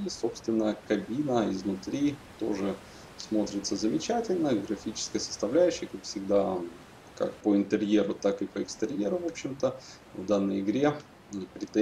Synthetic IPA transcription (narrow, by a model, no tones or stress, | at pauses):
iso̞pst̪vʲɪnːəjəkɐbʲinəɪznʊt̪ɾʲit̪o̞ʐɨ | smo̞t̪ɾʲɪt̪səzəmʲɪt͡ɕætʲɪlʲnəɡɾɐfʲit͡ɕɪ̥skəjəsə̥st̪ɐvlʲæjʉɕːɪjkakfsʲɪɡ̚d̪a | ka̰k̚pəɪnt̪ɨɾʲjeɾʊt̪akɨpəɪkst̪ɨɾʲjeɾʊvo̞pɕːɪmt̪ə | vd̪anːəjɪɡɾʲe̞ | ipɾʲɪt̪e